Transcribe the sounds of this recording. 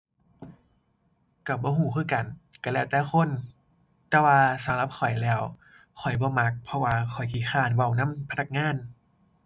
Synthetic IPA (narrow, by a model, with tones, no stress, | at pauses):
ka˧˩bɔː˧˦ɦuː˧˩˦kʰɯː˧˩˨ka˨˩nka˧˩lɛː˧˩˨wt̪ɛː˧˩xʰo˧˥˨n | t̪ɛː˧waː˧sa˨˦mla˧˦p̚kʰɔ˨˩jlɛː˧˩˨w | kʰɔ˨˩jbɔː˧˦ma˧k̚pʰɔ˧waː˧kʰɔ˨˩jkʰiː˧˨˩xaː˧˩˨nwa˧˩wna˧˥˨mpʰa˧na˧˩k̚ŋaː˧˥˨n